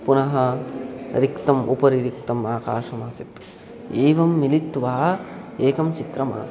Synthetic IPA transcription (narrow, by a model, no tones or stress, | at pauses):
punɐɦɐ | ɾikt̪ɐmʔupɐɾiɾikt̪ɐmaːkaːʂɐmaːsit̪ | eːʋɐmːilit̪ːʋaːeːkɐmt͡ʃit̪ɾɐma̰ːs